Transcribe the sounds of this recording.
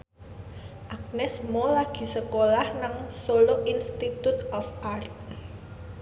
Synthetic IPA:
ʔak̚nɛsmolaɡ̥i̤səkolahnaŋsoloʔinst̪it̪ut̪ɔfart̪̚

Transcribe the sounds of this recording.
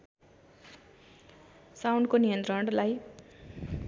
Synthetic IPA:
sawnɖkonijʌnt̪rʌɽlaj

